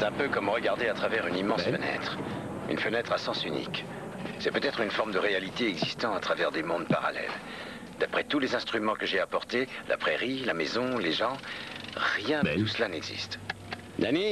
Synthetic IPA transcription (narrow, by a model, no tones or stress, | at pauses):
ɛt̪ɛ̃pøkɔmʁəɡaʁd̪eat̪χavɛʁynimɑ̃sfənɛ̰t̪χ | y̰nfənɛt̪χasɑ̃synḭk | sɛpøt̪ɛt̪χynfɔʁmd̪əʁealit̪eɛɡzist̪ɑ̃at̪χavɛʁd̪emɔ̃d̪pa̰ʁa̰lɛ̰l | d̪̥apχɛt̪ulezɛ̃st̪χymɑ̃kəʒeapɔʁt̪elʔa̰pχeʁilamɛzɔ̃leʒɑ̃ | ʁjɛ̃t̪usəlanɛɡzḭst̪ | d̪ani